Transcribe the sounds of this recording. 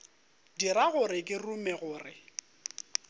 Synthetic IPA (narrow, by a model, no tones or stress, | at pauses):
diɾaɣʊɾɪkʼɪrumɛɣʊːrɪ